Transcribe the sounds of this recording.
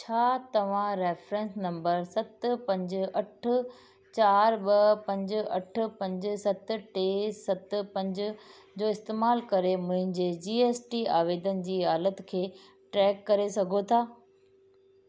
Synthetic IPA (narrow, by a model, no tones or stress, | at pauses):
t͡ɕʰaːt̪ɐʋ̤ãɾeːfɾẽːnsnɐ̃mbəɾsɐt̪pɐ̃ɲd͡ʑʊɐʈʰʊ̆ | t͡ɕaːɾɓɐpɐ̃ɲd͡ʑʊ̆ɐʈʰʊ̆pɐ̃ɲd͡ʑʊsɐt̪̆ʈeːsɐt̪̆pɐ̃ɲd͡ʑʊ | d͡ʑoːɪst̪eːmaːlkɐɾemʊ̃ɦɪ̃ɲd͡ʑeːd͡ʑiːeːsʈiaːʋeːd̪ənɪ̆d͡ʑiːɦaːlət̪kʰeː | ʈɾɛːkːɐɾesɐɡʱot̪ʰaː